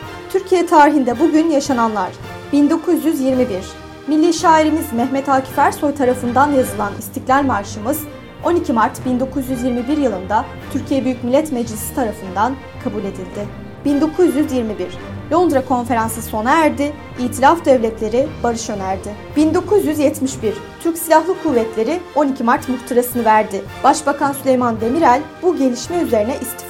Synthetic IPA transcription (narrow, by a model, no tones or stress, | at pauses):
t̪ʰyɾcʰijɛt̪ʰaːɾiɦind̪ɛbuɟynjaʃananlˠaɾ̥ | b̥ind̪o̞kʰuzjyzjiɾmibiɾ̥ | milʲːiʃaːiɾimizmɛçmɛt̪ʰaːcʰi̥fæɾso̞jt̪ʰaɾafɯnd̪anjazɯlˠanist̪ʰiclʲæɾʲmaɾʃɯmɯz̥ | o̞nicʰimaɾt̪bind̪o̞kʰuzjyzjiɾmibiɾjɯlˠɯnd̪a | t̪ʰyɾcʰijɛbyjycʲmilʲːɛt̪mɛd͡ʒlʲisi̥t̪ʰaɾafɯnd̪an | kʰabulʲe̞d̪ilʲd̪ɪ | b̥ind̪o̞kʰuzjyzjiɾmibiɾ̥ | lʲo̞nd̪ɾakʰo̞nfe̞ɾansɯso̞naæɾd̪ɪ | iːt̪ʰilʲafd̪ɛvlʲɛt̪ʰlʲe̞ɾɪbaɾɯʃø̞næɾd̪ɪ | b̥ind̪o̞kʰuzjyzjɛt̪miʃbiɾ̥t̪ʰyɾcsilʲahlˠɯkʰuvːɛt̪ʰlʲe̞ɾɪo̞nicʰimaɾt̪muɾt̪ʰuɾasɯnɯvæɾd̪ɪ | b̥aʃbakʰansylʲejmand̪e̞miɾælʲbuɟe̞lʲiʃmɛyze̞ɾinɛʔist̪ʰi̥f